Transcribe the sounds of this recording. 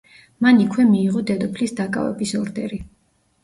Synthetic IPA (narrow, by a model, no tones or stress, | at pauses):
manikʰwɛmiːʁɔd̪ɛd̪ɔpʰlisd̪akʼa̰vɛ̰bisɔɾd̪ɛɾi